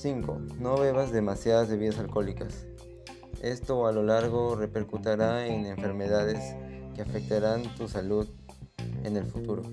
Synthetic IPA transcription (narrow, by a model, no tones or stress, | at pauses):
siŋko̞̰no̞βe̞βazðe̞masjaðazðe̞βiðasalko̞likas | e̞st̪o̞alo̞laɾɣ̞o̞re̞pe̞ɾkut̪aɾaene̞ɱfe̞ɾme̞ðaðe̞skeafek̚t̪aɾant̪usaluð | e̞ne̞lfut̪uɾo̰